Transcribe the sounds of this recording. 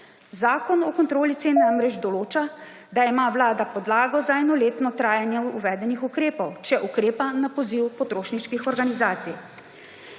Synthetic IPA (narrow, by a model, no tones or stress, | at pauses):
zaːkɔnɔkɔnt̪ɾoːlit̪seːnɛnamɾɛd͡ʒd̪ɔloːt͡ʃa | d̪aimaːʋlaːd̪apɔd̪laːɡɔzaɛnɔleːt̪nɔt̪ɾaːjanjɛuʋɛːd̪ɛnixukɾeːpɔwt͡ʃɛʔukɾeːpanapɔziwpɔt̪ɾoːʃniʃkixɔɾɡanizaːt̪sij